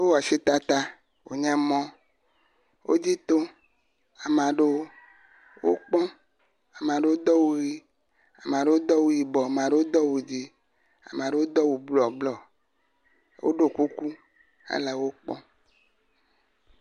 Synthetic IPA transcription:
o˦wɔ˨si˦t̪a˦t̪a˦ | wo̰˨ɲɛ̃˦mɔ̃˦ | wʔo̰˦d͡ʑi˦t̪o˦ | a˨mã˨ɖe˦wo˦ | wo̰˦k͡pɔ̃˦ | a˨m˨ã˨ɖe˦wo˦d̪ɔ˦wu˦ɣi˦ | a˨m˨ã˨ɖe˦wo˦d̪ɔ˦wu˦ji˨bɔ˨mã˨ɖe˦wo˦d̪ɔ˦wu˨d͡ʑi˦ | a̰˨mã˨ɖe˦wo˦d̪ɔ˦wu˨blɔ˨ɡ͡blɔ˨ | wo̰˦ɖo˦ku˦ku˦ | a̰˦le˨wo˦k͡pɔ̰̃˦

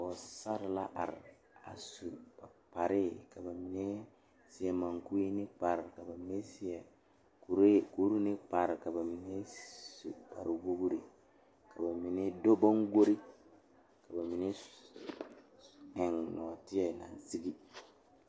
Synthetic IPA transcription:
ɔ˨sa˦ɾla̰˦ʔa̰˨ɾ | a̰˨su˨b̥a˨pa˨ɾi˦˨ka˨ba˨mi˨ne˦ | si˨ɛ˨ma˨ŋku˦i˦ni˦pa˨ɾka˨ba˨mi˨ne˦si˦ɛ˨ | ku˨ɾe˦ku˨˦ɾu˦ni˦pa˨ɾka˨ba˨mi˨ne˦sṵ˨ba̰˨ɾi˨wo˦ɡu˦ɾi˨ | ka˨ba˨mi˨ne˦do˦ba˦ŋɡo˦ɾi˦ | ka˨ba˨mi˨ne˦ | ɛ˨ŋnɔ˨ti˦ɛ˦˨na̰˨n˨si˦ɡi˦

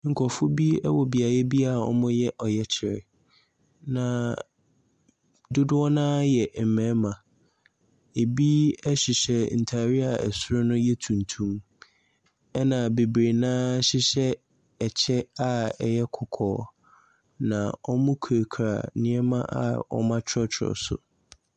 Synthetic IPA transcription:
ŋ̩˨kʰɔ˨fʊ˦bi˦ɛ˦wɔ˨bi˨a˨jɛ˦bi˦a˦˨ɔ̰˦mʊ̃˦jɛ˦ʔɔ˨jɛ˦t͡ɕʰɪ˨ɾɪ̰˨ | nã˨ | dʊ˦dʊ˦ɔ˦nãː˦jɛ˨m̩˨mɛ̃˨˦mã˨ | e˨bi˦ɛ˦ɕɪ˨ɕɛ˨n̩˨tʰa˨ɾi˦a˨ɛ̰˨sʊ˦ɾʊ˦nʊ̃˦jɛ˦tʰũ˨n˨tʰũ˦m | ɛ˦nã˨be˨bɾe˨nãː˦ɕɪ˦ɕɛ˦ | ɛ˨t͡ɕʰɛ˦a˨ɛ˨jɛ˦kʰʊ˨kʰɔ̰ː˨ | nã̰˨ɔ˦mʊ̃˦kʰɾe˨kʰɾa̰˨nɪ̃˦ɛ˦mã̰˦ʔa̰˦˨ɔ̰˦mã˦t͡ɕʰɪ˦ɔ˦t͡ɕʰɪ˨˦ɔ̰˨sʊ̰˨

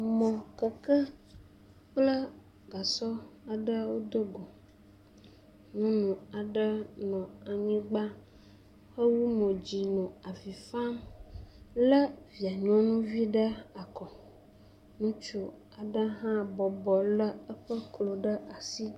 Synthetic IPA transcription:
mɔ̃˨kə˨kə˦ | k͡plə˦ | ɡa˨sɔ˦a˨ɖə˦wo˦d̪o˦ɡo˨ | nũ˦nũ˨a˨ɖə˦nɔ̃˨a˨ɲĩ˦ɡ͡ba˦ | xə˦wu˦mɔ̃˨d͡ʑi˨nɔ̃˨a˨vi˨fa˦m | lə˦vi˨a˨ɲɔ̃˦nũ˦vi˦ɖə˦a˨kɔ˨ | nũ˦t͡ʃu˦ | a˨ɖə˦ɦã˦bɔ˨bɔ˨lə˦ə˦ɸə˦klo˨ɖə˦ʔa˨si˦

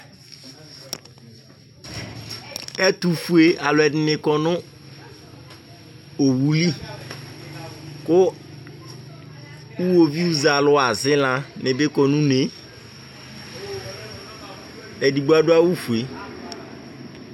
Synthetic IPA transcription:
ɛ˦t̪u˨fu˨e˨a˨lʊ˨ɛ˨dɪ˨nɪ̃˨kɔ˦nʊ̃˦ | o˨wu˦li˦ | kʊ˦ | u˦wo˦vi˦u˦za˨lʊ˦a˨zɪ˦lã˨nɪ̃˨bɪ˦kɔ˨nũ˦ne˨ | ɛ˨di˨ɡ͡bu˦a˦ɖʊ˦a˦wu˦fu˨e˨

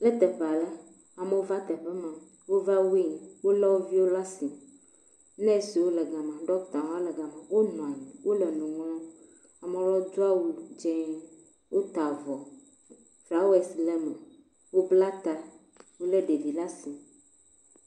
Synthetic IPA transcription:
lɛ˦t̪ɛ˨ɸɛ˨a˨lɛ˦ | a˨me˦wo˦va˦t̪ɛ˨ɸɛ˦mã˨ | wo˦va˦wi˦ŋ˨wo˦lɛ˦wo˦vi˦wo˦la˦si˨ | nɛ̃˦si˨wo˦lɛ˨ɡã˨mã˨ɖɔ˦kt̪ã˨wa˦lɛ˨ɡa˨mã˨wo˦nɔ̃˨a˨ni˨wʔo˦lɛ˨nũ˨ŋɔ̃˦ | a˨mɛ̃˨˦lɔ˦d͡ʒu˦a˦wu˦d͡ʒɛ̃˦ | wʔo˦t̪a˨vɔ˨ | fla˨˦wɛ˨slɛ˦mɛ˨ | wo˦bla˦t̪a˦ | wo˦le˦ɖe˨vi˨la˦si˨

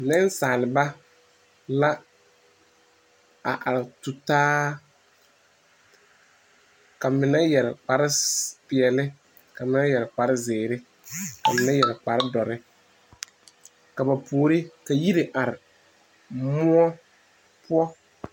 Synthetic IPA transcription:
nɛ˦n˦saː˨lɪ˨ba˦ | la˦ | a̰˨ʔa˨ɾɪ˨tʊ˨taː˦ | ka˨mɪ˨na˦jɛ˨ɾɪ˨k͡pa˨ɾɪ˦pɪ˨ɛ˨lɪ˦ | ka˨mɪ˨˦na˦jɛ˨ɾɪ˨k͡pa˨ɾɪ˦zɪː˨ɾɪ˦ | ka˨mɪ˨na˦jɛ˨ɾk͡pa˨ɾɪ˦dɔ˨ɾɪ˦ | ka˨ba˨puː˨ɾɪ˦ka˨ji˦ɾe˨ʔa˨ɾɪ˨ | mʊ˦ɔ˦ | pʊ˦ɔ˦

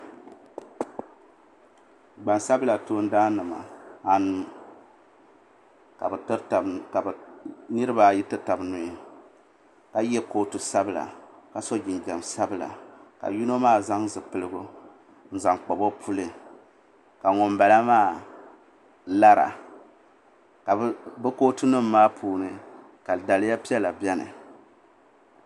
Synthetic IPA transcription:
ɡ͡ba˨nsa˦bɨ˦la˨toː˦n̩˦daː˦nɨ˨ma̰˨a˨nɨ˨ | ka˨˦˨ka˨bnɨ˦ɾɨ˦ba˨ji˦tɨ˦ta˨bnʊ˨i˨ | ka˨jɛ˦ko˦tu˨sa˦bɨ˦la̰˨ka˨sɔ˦d͡ʒi˨nd͡ʒa˨msa˦bɨ˦˨la̰˨ka̰˨ju˦no˦maː˦˨za˦ŋzɨ˨pɨ˨lɨ˦ɡʊ˦ | n̩˦za˨ŋk͡pɔ˨bo˦pʰu˦lɨ˨ | ka˨ŋɔ˨mba˨la˦maː˦˨ | la˦ɾa̰˨ | ka˨bɨ˦koː˦tɨ˦nɨ˦mː˦aː˦pʰuː˨nɨ˨ | ka˨da˨lɨ˦ja˦pi˦ɛ˦la˨bjɛ˦nɨ̰˨

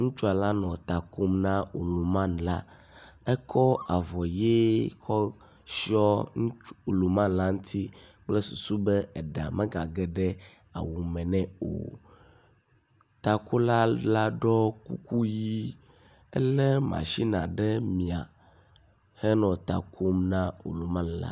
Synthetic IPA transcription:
ŋũ˦t͡ʃu˦a˨la˦nɔ̃˨t̪a˨ko˦mnã˦o̰˨lo˨mã˦nla˦ | ɛ˦kʰɔ˦a˨vɔ˨je˦kʰɔ˦ | si˦ɔ˦ŋ˦u˨lo˨mã˦nla˦ŋũ˦t̪ʰi˦k͡plɛ˦su˨su˦bɛ˦ɛ˨ɖa̰˨mɛ̃˦ɡa˨ɡɛ˨ɖɛ˦ | a̰˨wu˨mɛ̃˨nɛ̃˨o̰˨ | t̪a˨kʰo˦la˦la˦ɖɔ˦kṵ˦ku˦ji˦ | ɛ̰˦lɛ˦mã̰˨ʃi˦nã˨ɖɛ˦mĩ˨a˨ | hɛ˦nɔ̃˨t̪a˨kʰo˦mnã˦wo̰˨lu˨mã˦˨nla̰˦

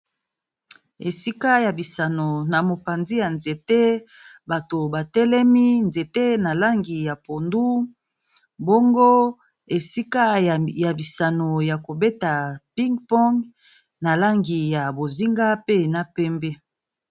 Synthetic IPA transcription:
e˨si˦ka˦ja˨bi˨sa˨no˨na˨mo˨pa˨nzi˦ja˨nze˨te˦ba˨to˨ba˨tɛ˦lɛ˦mi˦nze˨te˦na˨la˦ŋɡi˨ja˨po˨ndu˦ | bo˦ŋɡo˦ | e˨si˦ka˦ja˨bi˨sa˨no˨ja˨ko˨be˦ta˨pi˦ŋɡpɔ˦ŋɡ | na˨la˦ŋɡi˨ja˨bo˨zi˦ŋɡa˦pe˦na˦pɛ˦mbɛ˦

